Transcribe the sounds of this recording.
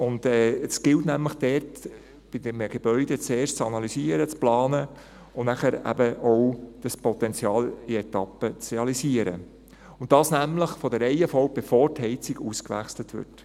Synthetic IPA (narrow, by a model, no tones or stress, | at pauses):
ʊndɛːəsɡ̥ɪltnæmləχd̥ɛrt | b̥ɪdɛmɡ̥ebœʏd̥ɛt͡seːrʃt͡sɑnɑlysiəɾət͡splɑːnə | ʊnæχəɾæ̰bəʔɔwd̥ɑspɔt̪ɛnt͡sjɑːlɪɛtɑpːət͡sɾeɑlisiəɾə̰ | ʊnt̚d̥ɑːsnæmləχfɔdəɾɛɪəfɔʊb̥efoːɾthɛɪt͡siɡuskʋæ̰χslətʋɪ̰t